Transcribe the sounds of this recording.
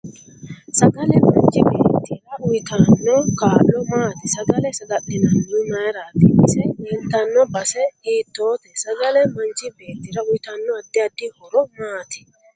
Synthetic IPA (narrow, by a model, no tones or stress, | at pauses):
sɐɡɐlɛmɐnt͡ʃːɪbeːt̪ːɪɾɐʊjt̪ɐnːɔkaːlːɔmaːt̪ɪsɐɡɐlɛsɐɡɐɗːɪnɐnːʊɪmɐjɾaːt̪ɪʔɪsɛjɛnt̪ːɐnːɔbɐsɛiːt̪ːoːt̪ɛsɐɡɐlɛmɐnt͡ʃːɪbe̞ːt̪ːɪɾɐʊjt̪ɐnːɔɐd̪ːɪɐd̪ːɪhɔɾɔmaːt̪ɪ̥